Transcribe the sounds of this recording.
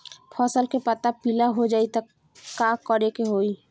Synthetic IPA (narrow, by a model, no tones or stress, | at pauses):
pʰɔsəlkepət̪apilaɦod͡ʒaːit̪a | kakɔɾekeɦoi